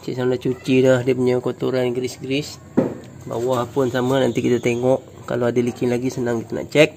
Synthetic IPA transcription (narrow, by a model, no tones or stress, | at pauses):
t͡ʃḭʔsanat͡ʃut͡ʃidahdiəpuɲakot̪uɾanɡɾisɡɾɪs | ba̰wahpʊnsamənant̪ikit̪at̪eŋɔʔ | ka̰loadalikɪnlaɡisənaŋkit̪ana̰ʔt͡ʃɛk̚